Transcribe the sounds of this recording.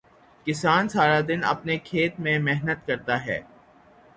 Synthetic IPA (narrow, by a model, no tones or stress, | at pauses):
kɪsaːnsaːɾad̪ɪnɐ̰pnekʰeːt̪mẽmɛɦnət̪kɐɾt̪aɦɛ̰ː